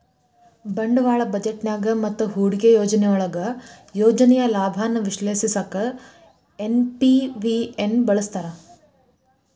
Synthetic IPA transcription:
bɐɳɖɐʋaːɭɐbɐd͡ʒeʈnjaːɡɐmɐt̪ːuɦuːɽiɡejoːd͡ʒɐnɛjɔɭɐɡɐ | joːd͡ʒɐnɛjɐlaːbʱaːnːɐʋiʃleːsisɐkɐ | enpiʋienbɐɭɐst̪ɐɾɐ

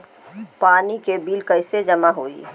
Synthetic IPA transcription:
paːnikebiːlkəɪsed͡ʒəmaɦoːḭ

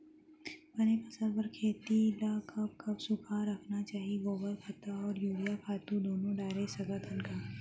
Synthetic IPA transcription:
pɐnekɐsɐɾpɐɾkʰeːt̪ilakɐb̚kɐbsʊkʰaɾɐkʰnat͡ʃaːɦiɡoːbəɾkʰɐt̪aɔːɾjuːɾijakʰaːt̪ũd̪oːnõɖaːɾesɐɡat̪ənkaː

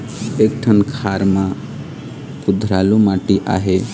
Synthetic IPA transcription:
ek̚ʈʰənkʰaɾmã | kʊd̪ʱɾalumaʈiʔa̰ɦe

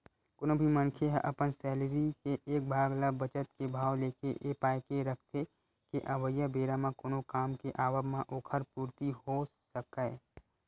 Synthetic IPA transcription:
konõbʱimənkʰeɦʔɐpənsɛːlɾikeʔeːk̚bʱaːɡləbət͡ʃət̪kebʱaːʋleːkeʔeːpaːjkeɾək̚ʰt̪ʰe | keʔɐʋəjːəbeːɾamãkonokaːmkeʔaːʋəbmãʔoːkʰəɾpuːɾt̪iɦosəkə

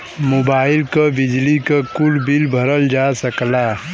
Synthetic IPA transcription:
mobaːɪlkəbid͡ʒlikəkuɽbilbʱəɾəld͡ʒasəkla

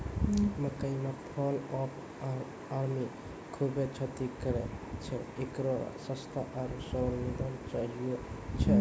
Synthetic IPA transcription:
məkəimepʰɔlɔpʰ | aɾmi | kʰubet͡ʃʰət̪ikəɾet͡ʃʰɛekɾo̰səst̪ʰaʔaɾsəɾʋid̪ant͡ʃaɦiot͡ʃʰɛ

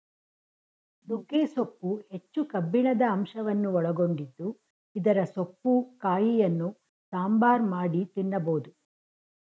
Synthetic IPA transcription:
nuɡeːsopːuhe̞t͡ʃːukɐbːiɳɐd̪ɐːmʃɐʋɐnːuɔɭɐɡo̞ɳɖid̪ːu | id̪ɐɾɐsopːukaːjijɐnːu | saːmbaːɾmaːɽit̪inːɐboːd̪u

